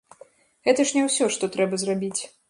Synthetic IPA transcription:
ɣɛt̪ɐʂnʲɛwsʲɔʂt̪ɔt̪ɾɛbɐzrabʲit͡sʲ

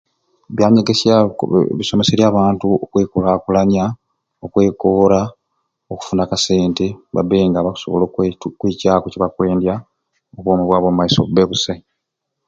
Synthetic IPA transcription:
βjaːɲeɡe̞sjaβiso̞me̞se̞ɾjaːβaːntuokwe̞ːkolakulaɲa | okwe̞ːkoːɾa | oku̥funakase̞ːnteβa̰beŋɡaβaku̥soβolokwecaːkociβakwe̞ːndja | okwoːmuβwaːβomumaiso̰beβuse

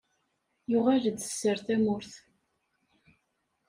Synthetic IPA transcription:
jʊʁæləd̪ə̥sːəɾθæmʊɾθ

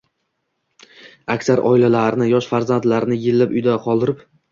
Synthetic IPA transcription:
akʲsaɾʔɒ̰ɪlalaɾnɪjɒʃfaɾzant̪laɾnɪjɪlːapʊjd̪aqʰɒlˠd̪ɪɾɪp

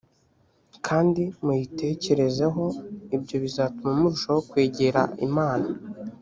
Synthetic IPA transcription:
kʰaːndimujite̞ːce̞ɾe̞ze̞ɦo̞ibɟo̞βizaːtumamuɾuʃawokwe̞ːɟe̞ɾa̰ḭmaːna

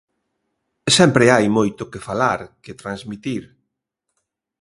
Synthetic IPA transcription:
sɛmpɾɪajmojt̪ʊkɪfalaɾkɪt̪ɾãnzmit̪iɾ

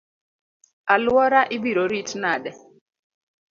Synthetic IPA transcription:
alwɔɾaʔibiɾoɾitnadɛ

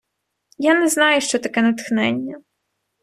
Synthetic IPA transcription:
janɛznɑjʊʃt͡ʃɔt̪ɐkɛnɐt̪xnɛnʲːɐ

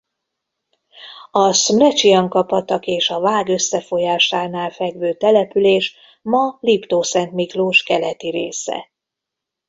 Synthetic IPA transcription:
ɒsmlɛt͡ʃiɒŋkɒpɒt̪ɒkeːʃɒvaːɡø̞sːɛfo̞jaːʃaːnaːlfɛɡvøːt̪ɛlɛpyleːʃ | mɒlipt̪oːsɛnt̪mikloːʃkɛlɛt̪iɾeːsɛ̰

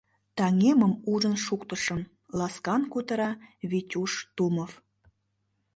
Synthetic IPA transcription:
t̪ɑŋemə̆muʒə̆nʃukt̪ə̆ʃə̆m | lɑskɑnkut̪ɤ̆ɾɑβitʲuʃt̪umof

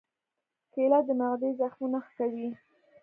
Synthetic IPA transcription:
kelat̪̚d̪ənaɣd̪ezaxmunaxkawi

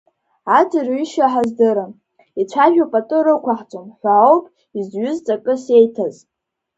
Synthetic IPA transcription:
atʰʼirɥiʃaħazdɨɾɨ | it͡sʷʰaʒᶣapʼatʼɨɾɨkʷʰaħt͡sʷʼomħʷaowpʼ | izɥʏzt͡sʼakʼɨsejtʰaz

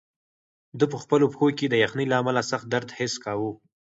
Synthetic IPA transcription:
d̪əp̬əxpəlopxoked̪əjaxnilaamalasaxt̪̚d̪aɾd̪hɪskawu

